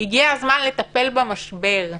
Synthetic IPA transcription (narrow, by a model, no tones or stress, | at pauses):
hiɡiazmanlet̪ape̞lbamaʃbe̞ʁ